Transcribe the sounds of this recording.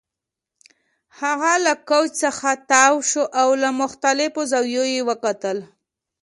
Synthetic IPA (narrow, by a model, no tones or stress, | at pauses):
haɣalakowt͡ʃsəxat̪awʃoʔawlamʊxt̪alɪfozawjojewəkat̪əl